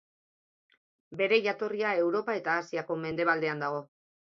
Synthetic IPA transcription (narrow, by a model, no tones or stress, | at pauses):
be̞ɾe̞ʝat̪o̞riae̞wɾo̞pae̞t̪aːsiako̞me̞nd̪e̞β̞ald̪e̞and̪aɣ̞o̞